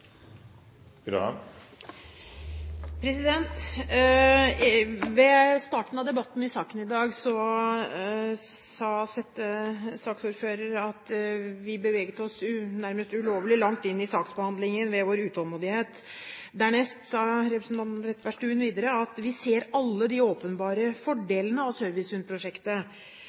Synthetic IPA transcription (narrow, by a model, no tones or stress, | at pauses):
ɾɑ̰ | pʰɾɛsɪd̪ɛnt̪ | ʋɛst̪ɑːʈn̩ɑʋd̪ɛbɑt̪ːn̩ɪsɑːkənɪd̪ɑːɡsɔ | sɑsɛt̪ːəsɑːksuːɾføːɾəɾɑt̪ʋɪbəʋɛːɡt̪əɔsnæɾməst̪ʉloːʋəlɪlɑŋt̪ɪnːɪsɑːksbəhɑnd̪lɪŋənʋɛʋoːɾʉːt̪ɔlˠmuːd̪ɪheːt̪ | d̪æɳɛst̪sɑɾɛpɾəsnt̪ʰɑnt̪nɾɛt̪ʰːʋæʂʈʉːnʋiːd̪əɾəɑt̪ʋɪseːɾɑlːəd̪ɪoːpənbɑːɾəfɔɖeːlənəɑʋsøɾʋɪsʉnpʰɾʊʂɛkt̪ə